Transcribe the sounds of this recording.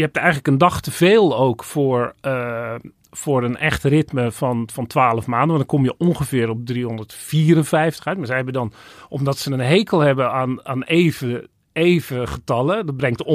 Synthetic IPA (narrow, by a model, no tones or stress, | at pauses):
jəɛp̚tɛjɣənləkəndɔχtəv̥eːlˠoːkfʊːɹə | fʊːɾənɛxtrɪtməfɔnfɔntʋaːləfmaːndəʋɔndɔnŋkomjəʔonχəvɪəɾɔp̚driɦondərtfiːəɾənfɛjftə̥œɥt̚maɹsɛjhɛbədɔnʔɔmdɔtsənənɦejkʰəlˠhɛbəaːnaːneːvə | eːvəχətɑlˠədɔd̚brɛŋkt